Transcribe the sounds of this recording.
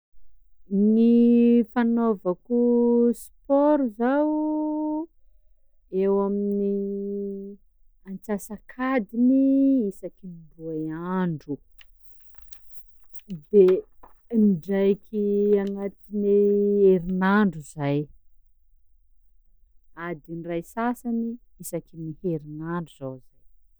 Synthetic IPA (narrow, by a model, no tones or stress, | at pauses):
nifanovakʲuspɔɾuzaw | ewamini | ant͡sasakʰad̪iniisakinbuajaɳɖ͡ʐu | d̪e | nɖ͡ʐajkʲʰianat̪ineeɾinaɳɖ͡ʐuzaj | ad̪inrajsasani | isakiniheɾinaɳɖ͡ʐuz̥awz̥aj